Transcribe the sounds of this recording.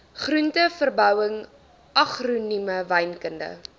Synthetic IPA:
χruntəfərbœwəŋ | ʔɐχruniməvɐjnkəndə̰

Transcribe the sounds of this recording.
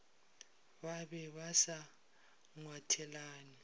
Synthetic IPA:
βaɓɛβasa | ŋwatʰɛlaːni

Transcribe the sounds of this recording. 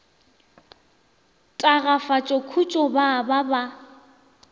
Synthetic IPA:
tʼaɣafat͡ʃʼɔkʰut͡ʃʼɔbababa

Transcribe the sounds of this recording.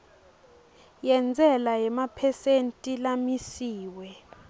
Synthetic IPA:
jɛnd͡zʱɛlajɛmapʰɛsentʼilamisiːwɛ

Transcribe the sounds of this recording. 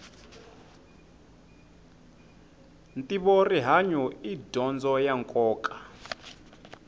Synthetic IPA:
ntʼiβoriɦaɲɔidʱɔnd͡zɔjaŋkʼɔːkʼḁ

